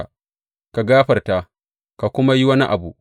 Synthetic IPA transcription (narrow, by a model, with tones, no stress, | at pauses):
ka˨ɡaː˦ɸɐ˨rta˨ | ka˨kʷʊ˦ma˦ji˦wɐ˦ni˦ʔa˨bu˦˨ʔ